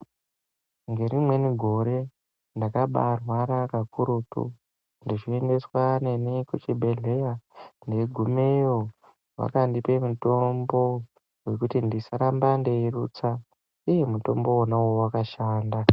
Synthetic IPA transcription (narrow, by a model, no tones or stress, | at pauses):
ŋɡe̞ɾimwe̞niɡʱo̞ɾe̞ | ndakaɓa̰rwaɾakakʰuɾuːtṵ | ndiʐie̞nde̞swane̞nikut͡ʃibʱe̞ɮe̞jande̞ɡʱumejo | wa̰kandipe̞muto̞mbo̞ | we̞kutindisaɾambandeiruːt͡sa | ije̞muto̞mbo̞wonawowakaʃaːnda